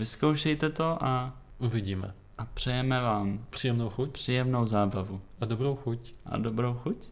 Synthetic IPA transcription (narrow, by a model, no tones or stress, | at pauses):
vɪskowʃɛjt̪ɛt̪o̞ʔa | ʔuvɪɟiːmɛ̰ | ʔapr̝̥ɛjɛmɛvaːmpr̝̥ijɛmnowxuc̚pr̝̥iːjɛmno̞wzaːbavuʔadobɾowxucʔa̰dobɾowxuc